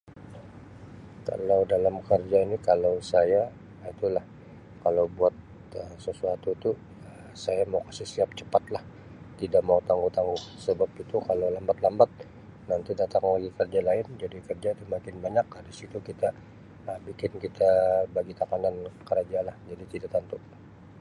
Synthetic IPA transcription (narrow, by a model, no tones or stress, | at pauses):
ka̰lawdalamkərd͡ʒainikalawsaja | it̪ulah | kalawbuat̪̚ | əsəsuat̪ut̪u | ə | sajamawkasɪhsiap̚t͡ʃəpat̪lah | t̪idaʔmaut̪aŋɡut̪aŋɡusəbapit̪ukalawlambat̪lambat̪̚ | nant̪idat̪aŋaɡikərd͡ʒalaɪnd͡ʒadikərd͡ʒait̪umakɪnbaɲakːadisit̪ukit̪a | əbikɪnkit̪abaɡit̪akanankəɾad͡ʒalahd͡ʒadit̪idaʔt̪ant̪ʊ